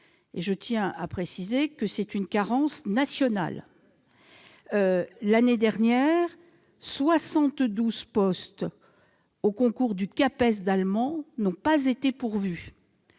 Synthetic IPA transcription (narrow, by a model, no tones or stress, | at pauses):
eʒət̪jɛ̃apχesizekəsɛt̪ynkaʁɑ̃snasjɔna̰l | laned̪ɛʁnjɛʁ | swasɑ̃t̪d̪uzpɔst̪ | okɔ̃kuʁd̪ykapɛs̬d̪almɑ̃nɔ̃pazet̪epuʁvy